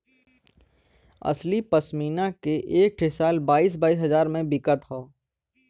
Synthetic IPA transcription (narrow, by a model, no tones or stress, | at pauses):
ɐ̰slipəsmiːnakeʔeːk̚ʈʰɪsaːlbaːiːs̬baːiːsɦɐzaːɾmẽbɪkət̪ɦoː